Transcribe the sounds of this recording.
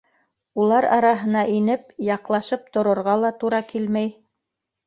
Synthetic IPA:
ulˠɑɾɑ̰ɾɑɦɤ̆nɑʔinɘp̚jɑqlˠɑʃɤp̚t̪ŏɾŏɾʁɑlˠɑt̪uɾɑkilmæj

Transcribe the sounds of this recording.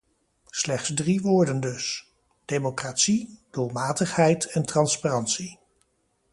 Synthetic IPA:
slɛχtsdriʋʊːɹdəndɵs | d̥ejmokraːtsid̥ʊlˠmaːtəχɦɛjtɛntrɑnsparɑntsi

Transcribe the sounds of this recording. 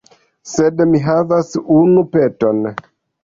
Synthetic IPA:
sedmiɦavasunupeto̞n

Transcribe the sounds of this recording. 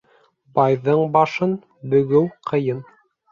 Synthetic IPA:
bɑjðɤɴbɑʃɤn | bɵ̆ɡɘwqʰɤ̆jɤn

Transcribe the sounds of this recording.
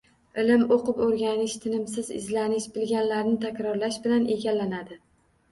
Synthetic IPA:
ɪlɪmoqɨpoɾɡʲanɪʃt̪ʰɪnɪmsɪzɪ̰zlanɪʃbɪlɡʲanlaɾnɪt̪ʰakʲɾɒɾlaʃbɪlane̞ɡʲalːanad̪ɪ

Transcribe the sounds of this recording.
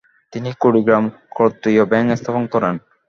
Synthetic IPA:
t̪inikoɾiɡɾamkɾot̪ːɾijobɛŋkest̪ʰaponkɔɾen

